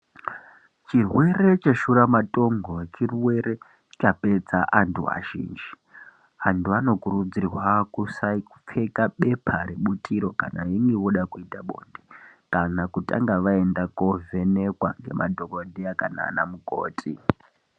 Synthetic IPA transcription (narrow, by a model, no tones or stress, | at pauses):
t͡ʃirwe̞re̞t͡ʃaʃuɾamatʼo̞ŋɡot͡ʃirwe̞ɾe̞ | t͡ʃape̞t͡saʔantʰua̰ʒḭːnd͡ʒi | antuano̞kuɾud͡zirwakusa | p͡fe̞kaɓe̞pʰaɾeɓutʰiɾo̞ka̰na̰jiŋɡeʋoɗakuitaɓo̞̰ndekanakutʼa̰ŋɡaʋae̞ndakove̞ne̞kwaŋɡe̞̰ma̰dʱokodeakana̰ːna̰muko̰ːtʰʼi